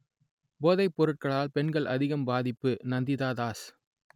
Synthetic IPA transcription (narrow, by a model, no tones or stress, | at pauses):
boːðɐɪpːɔɾɯʈ̚kɐɭaːlpɛɳɡɐɭʔɐ̰ðɪɣɐmbaːðɪpːɯnɐnd̪ɪðaːðaːs